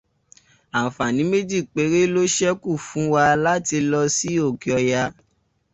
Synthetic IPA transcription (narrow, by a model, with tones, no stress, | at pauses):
a˨fa˨nĩ˨˦me˦d͡ʒi˦˨k͡pe˨˦ɾe˦lo˦ʃɛ˦ku˦˨fũ˨˦wa˧la˦ti˧lɔ˧si˦o˦˨ki˨ɔ˧ja˧